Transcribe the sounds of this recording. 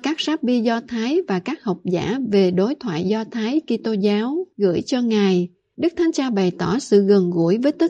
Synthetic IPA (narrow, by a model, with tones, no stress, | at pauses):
kaː˦˥k̚saː˦˥p̚ɓi˧zɔ˧t̪ʰaː˨˦jvaː˨˩kaː˦˥k̚hə˨˩wk͡p̚za̰ː˧˩ve˨˩ɗo˨˦jt̪ʰwa̰ː˧˨jzɔ˧t̪ʰaː˨˦jki˧t̪o˧zaː˨˦wɣɨ̰˧˩əjt͡ɕɔ˧ŋa˨˩j | ɗɨ˦˥k̚t̪ʰa˨˦ŋt͡ɕaː˧ɓa˨˩jt̪ɔ˧˩sɨ̰˧˨ɣə˨˩nɣu˧˩˥əjvəː˨˦jt̪ɨ˦˥